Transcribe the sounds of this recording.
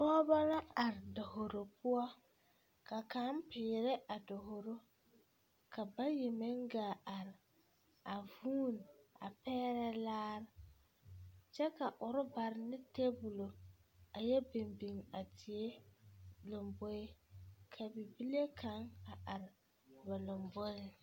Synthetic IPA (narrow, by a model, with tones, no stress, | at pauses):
pɔː˦ba˦la˦a˨ɾɪ˨do˨ho˨ɾo˨pʰʊ˦ɔ˦ | ka˨ka˨˦mpɪː˨ɾɪ˦ʔa˨dʊ˨ɦo˨ɾo˦ | kʰa˨ba˦jɪ˨mɪ˦ŋɡaː˨a˨ɾɪ˨ | a˨vuː˦n˨a̰˨pɛː˦ɾɛ˦laː˦ɾɪ˨ | t͡ʃɛ˦ka˨ʔʊ˨ɾɪ˦ba˨ɾɪ˨nɪ˦te˦bʊ˨lo˨a˨jɛ˦be˨mbi˨ŋa˨tʰɪ˨e˦ | lʊ˨mbo˦ɪ˦kʰa˨bi˨bi˦le˦kʰa˨˦ŋa˨ʔa˨ɾɪ˨ | ba˨lʊ˨mbo˦lɪ˦